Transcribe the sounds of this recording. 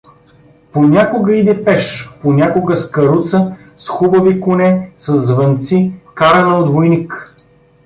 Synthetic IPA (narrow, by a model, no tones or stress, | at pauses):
ponʲakʊɡəid̪ɛpɛʃponʲakʊɡəskɐɾut̪sə | sxubəvikʊnɛsɐzːvɐnt̪sikaɾɐnɐod̪vojnik